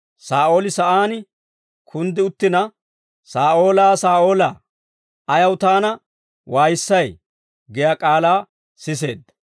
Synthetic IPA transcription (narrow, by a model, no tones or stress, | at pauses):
saːʔo̞ːlɪsɐʔaːn | kʰʊnd̪ɪʊt̪ːɪnɐ | saːʔo̞ːlaːsaːʔo̞ːlaː | ɐjɐwt̪aːnɐ | waːjɪsːɐj | ɡɛjakʼaːlaː | sɪs̬e̞̰ːd̪ːɐ